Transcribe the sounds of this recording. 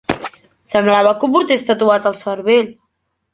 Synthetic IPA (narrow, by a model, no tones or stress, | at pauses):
səmblaβəkumpɾut̪est̪ət̪uat̪əlˠsəɾβeʎ